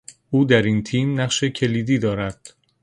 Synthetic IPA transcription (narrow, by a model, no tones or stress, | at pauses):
ʔuːd̪æɾint̪ʰiːmnæʁʃe̞cʰe̞liːd̪iːd̪ɒːɾæd̪̥